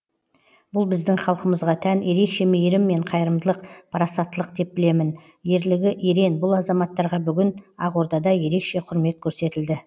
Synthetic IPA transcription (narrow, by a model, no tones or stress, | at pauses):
bʊlˠbɪzd̪ɪŋχɑlˠqəməzʁɑt̪ʰænje̞ɾe̞kʃe̞mejɾɪmːe̞ɴqʰɑjəɾəmd̪əlˠəqpʰɑɾɑsɑt̪ːəlˠəqd̪e̞p̚bɪle̞mɪn | je̞ɾlɪɡʲɪʔeɾe̞nbʊlˠɑzɑmɑt̪ːɑɾʁɑbʏɡʲɪnɑʁoɾd̪ɑd̪ɑje̞ɾe̞kʃe̞qʰʊɾme̞t̪̚kʲʰɵɾse̞t̪ɪld̪ɪ